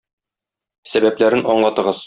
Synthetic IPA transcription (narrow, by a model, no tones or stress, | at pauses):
sæbæplæɾɘnɒɴlˠɑt̪ɤ̆ʁɤz̥